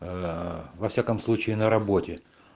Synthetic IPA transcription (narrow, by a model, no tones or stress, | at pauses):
vɐfsʲakəmslˠut͡ɕɪɪnəɾɐbo̞tʲɪ